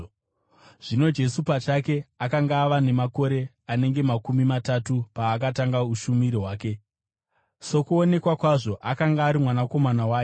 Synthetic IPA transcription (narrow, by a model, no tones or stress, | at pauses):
ʐ̥ino̞d͡ʒe̞supat͡ʃake̞akaŋɡaːʋane̞mako̞ɾe̞ | ane̞ŋɡe̞makumimatatupaːkataŋɡauʃumiɾiɦwaːke̞ | so̞kuone̞kwakwaʐo̞ʔakaŋɡaːɾimwanako̞manawaːj